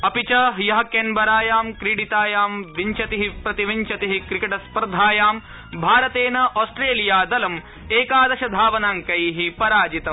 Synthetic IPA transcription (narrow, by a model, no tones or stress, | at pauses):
ɐpit͡ʃɐɦjɐɦɐkenbɐɾaːjaːmkɾiɽit̪aːjaːmʋiɲt͡ʃɐt̪iɦipɾɐt̪iʋiɲt͡ʃɐt̪iɦikɾikɐʈɐspɐɾd̪ʱaːjaːm | bʱaːɾɐt̪eːnɐʔoːsʈɾeːlijaːd̪ɐlɐm | eːkaːd̪ɐʃɐd̪ʱaːʋɐnaːŋkɐjɦipɐɾaːd͡ʒit̪ɐ